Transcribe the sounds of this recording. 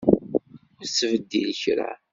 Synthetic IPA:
ʊɾsːvəd̪ːilçɾa̰

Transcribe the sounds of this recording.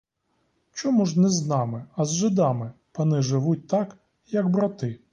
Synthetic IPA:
t͡ʃɔmuʒnɛznɑmɪɐzʒɪd̪ɑmɪpɐnɪʒɪʋut̚ʲt̪ɑk | jɐɡbɾɐt̪ɪ

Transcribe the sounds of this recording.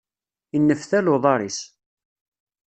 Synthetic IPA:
inːəfθælʊðˤɑɾˤis

